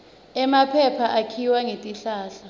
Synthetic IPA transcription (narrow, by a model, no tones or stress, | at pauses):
ɛmapʰɛpʰaʔakʰiwaŋetʼiɬaːɬa